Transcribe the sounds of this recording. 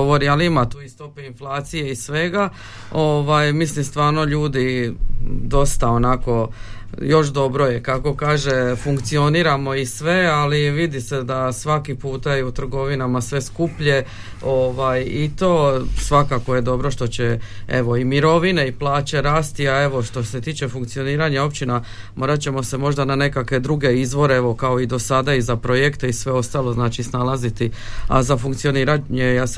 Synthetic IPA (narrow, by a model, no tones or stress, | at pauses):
ooɾialiimat̪uːist̪o̞peinflˠaːt̪sije̞isʋe̞ɡa | o̞ʋajmislimst̪ʋaːɾno̞ʎuːd̪i | d̪o̞st̪ao̞nako̞jo̞ʃd̪o̞bɾo̞jekako̞kaːʒefuŋkt̪sio̞niɾamo̞isʋe̞aliʋid̪ise̞d̪asʋakipuːt̪aiut̪ɾr̩ɡo̞ʋinamasʋe̞skupʎe̞ | oʋajit̪o̞sʋakakoje̞d̪o̞bɾo̞ʃt̪o̞t͡ɕe̞ḛʋo̞imiɾo̞ʋine̞iplˠaːt͡ɕe̞ɾaːst̪iae̞ʋo̞ʃt̪o̞se̞t̪iːt͡ʃe̞fuŋkt̪sio̞niːɾaɲao̞pt͡ɕina | mʔo̞ːɾat͡ɕe̞mo̞se̞mo̞ʒd̪anane̞kakʋe̞d̪ɾuɡe̞izʋo̞ɾeeʋo̞kao̞id̪o̞sad̪aizapɾo̞je̞kt̪eisʋe̞o̞st̪aːlo̞znaːt͡ʃisnalˠazit̪ia̰zafuŋkt̪sio̞niːɾaɲejas